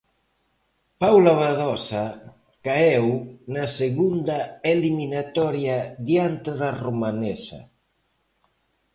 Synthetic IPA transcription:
pawlaβaðɔsa | kaewnaseɣund̪aeliminat̪ɔɾjaðjant̪eðaromanesa̰

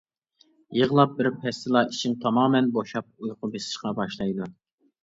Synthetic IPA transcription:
jəʁlˠɑp̚bɪɾpʰɛst̪ɨlˠɑʔiʃɪŋt̪ʰɑmɑːmɛnboʃɑp̚ujqʰʊbesɪ̥ʃqɑbɑʃlˠɑjd̪u

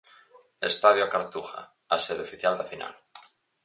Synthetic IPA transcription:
est̪aðjoakaɾt̪uxa̰ | aseðeofiθjald̪afina̰l

